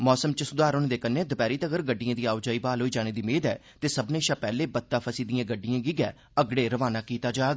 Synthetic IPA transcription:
mɔːsəmt͡ʃəsʊd̪aːɾʊñːd̪eːkənẽːd̪ʊpɛːɾiːt̪əɡəɾɡəɖːijãːd̪iːaːʋd͡ʒaːiːbaːlɦoːiːd͡ʒaːneːd̪iːmeːd̪ɛː | t̪eːsəbnẽːʃaːpɛːleːbət̪ːaːpʰəsiːd̪ɪjãːɡəɖːɪjãːɡiːɡɛ̰ː | əɡɽeːɾəʋaːnaːkiːt̪aːd͡ʒaːɡ

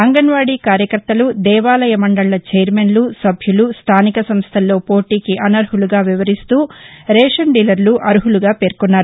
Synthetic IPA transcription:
ɐŋɡɐnʋaːɽiːkaːɾjɐkɐɾt̪ɐlud̪ɛːʋaːlɐjɐmɐɳɖɐɭlɐt͡ʃeːɾmenlusɐbʱjulust̪ʰaːnikɐsɐmst̪ʰɐlːo̞ːpo̞ːʈiːkiʔɐnɐɾɦuluɡaːʋiʋɐɾist̪uːɾɛːʂɐɳɖiːlɐɾluʔɐɾuɦuluɡaːpe̞ːɾkunːaːɾu

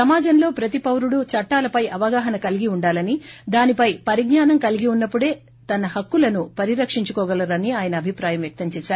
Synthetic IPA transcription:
ɐmaːd͡ʒɐnlo̞ːpɾɐt̪ipɐwɾuɽut͡ʃɐʈːaːlɐpɐjɐʋɐɡaːɦɐnɐkɐliɡiuɳɖaːlɐnid̪aːnipɐjpɐɾiɡnaːnɐmkɐliɡiunːɐpːuɽe̞ː | t̪ɐnɐhɐkːulɐnupɐɾiɾɐkʂiɲt͡ʃukɔːɡɐlɐɾɐniaːjɐnɐːbʱipɾaːjɐmjɐk̚t̪ɐmt͡ʃɛːʃaːɾu

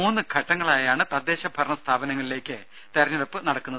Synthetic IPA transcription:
uːnːɨɡʰʱɐʈːɐŋːɐɭaːjaːɳɨt̪ɐd̪ːe̞ːɕɐbʱɐrɳɐst̪ʰaːbɐnɐŋːɐɭile̞ːkʲːɨ | t̪ɐɾɐɲːɐɾopːɨnɐɽɐkːunːɐð

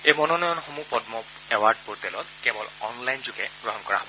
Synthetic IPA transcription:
ejmɔnɔnɔjɔnxomupɔdmɔ | ɛwaɹɖ̚poɹtɛlɔt̚kɛbɔlɔnlajnzʊɡɛɡ̥ɹɔɦɔnkɔɹa̰ɦɔbɔ

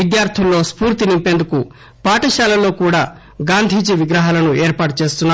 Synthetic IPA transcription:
id̪jaːɾt̪ʰulːo̞ːspuːɾt̪inimpe̞ːnd̪uku | paːʈɐʃaːlɐlo̞ːkuːɽaː | ɡaːnd̪ʱiːd͡ʒiʋiɡɾɐɦaːlɐnueːɾpaːʈut͡ʃe̞ːst̪unːa

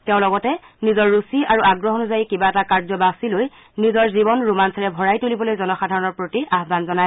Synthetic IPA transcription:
tɛʊ̃lɔɡɔtɛnizɔɹːusiaɹuʔaɡɹɔɦɔnuzajikibaɛtakaɹzɔbasiloj | nizɔɹzibɔnɹumansaɹɛbʱɔɹajtulibɔlojzɔnɔxadʱaɹɔnɔɹpɹotiaɦbanzɔnaj

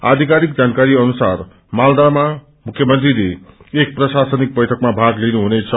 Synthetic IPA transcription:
a̰d̪ʱikaɾikd͡zankaɾiʌnusar | mald̪ama | mukʰjʌmʌnt̪rile | ek̚prʌsasʌnik̚bʌjʈʰʌkmabʱaɡlinuɦunet͡sʰʌ

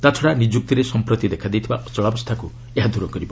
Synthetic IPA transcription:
t̪at̪ʰɔɽanid͡ʒuk̚t̪iɾesɔmpɾot̪id̪ekʰad̪ejt̪ʰibaɔt͡ʃɔɭabɔst̪ʰaku | eɦad̪ʱuɾɔkɔɾibɔ

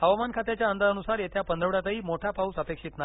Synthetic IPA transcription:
həʋmankʰat̪jat͡ɕjaənd̪aɾənusaɾjet̪ʰjapənd̪ʱəʋɽjat͡saɦiːmoʈʰapausəpekʂiːt̪na

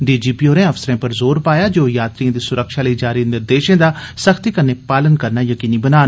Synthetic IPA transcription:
ɖiːd͡ʒiːpiːoːɾẽːəfsəɾẽːpəɾzoːɾpaːjaːd͡ʒoːjaːt̪ɾiãːd̪iːsʊɾəkʃaːləiːd͡ʒaːɾiːnɪɾd̪eːʃẽːd̪aːsəxʰt̪iːkəneːpaːlənkəɾnaːjəkiːniːbənaːn

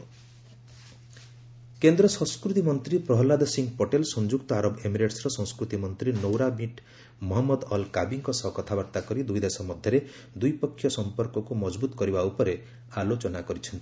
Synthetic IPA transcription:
kend̪ɾɔsɔ̃skɾut̪imɔnt̪ɾipɾɔɦɔlad̪ɔsiŋɡpoʈelsɔnd͡ʒukt̪ɔaɾɔbemiɾeʈsɾɔsɔ̃ŋskɾut̪imɔnt̪ɾinowɾamiʈ | mɔɦɔmːɔd̪ɔlkabiŋkɔsɔɦɔkɔt̪ʰabɔɾt̪akɔɾid̪ujd̪esɔmɔd̪ʱjɔɾe | d̪ujpɔkʰːjɔsɔmpɔɾkɔkumɔd͡ʒbut̪ɔkɔɾibaupɔɾe | alot͡ʃɔnakɔɾit͡ʃʰɔnt̪i̥

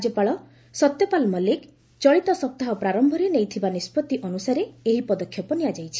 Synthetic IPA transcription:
ad͡ʒɔpaɭɔ | sɔt̪jɔpalmɔlek | t͡ʃɔɭit̪ɔsɔp̚t̪aɦɔpɾaɾɔmbʱɔɾenejt̪ʰibanispɔt̪iʔɔnusaɾeeɦipɔd̪ɔkʰːjɔpɔnijad͡ʒajt͡ʃʰi̥

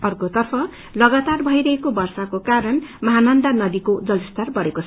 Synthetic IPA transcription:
ʌrkot̪ʌrpʰʌ | lʌɡat̪arbʱʌjɾʌɦekobʌrsakokaɾʌnmʌɦanʌnd̪anʌd̪ikod͡zʌlist̪arbʌɽekot͡sʰ

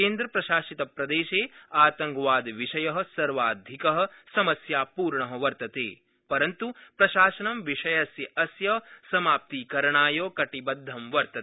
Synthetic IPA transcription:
keːnd̪ɾɐpɾɐʃaːsit̪ɐpɾɐd̪eːʃeːaːt̪ɐŋɡʋaːd̪ʋiʃɐjɐɦɐ̆sɐɾʋaːd̪ʱikɐɦɐ̆sɐmɐsjaːpuːɾɳɐɦɐʋɐɾt̪ɐt̪ḛː | pɐɾɐnt̪upɾɐʃaːsɐnɐmʋiʂɐjɐsjɐʔɐsjɐsɐmaːp̚t̪iːkɐɾɐɳaːjoːkɐʈibɐd̪ʱːɐmʋɐɾt̪ɐ

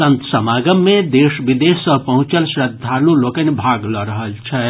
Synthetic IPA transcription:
ənt̪səmaɡəmːẽd̪eːʃbid̪essəpəɦũt͡ʃəlsɾəd̪ʱːalulokənebʱaɡləɾəɦəlt͡ʃʰɛ

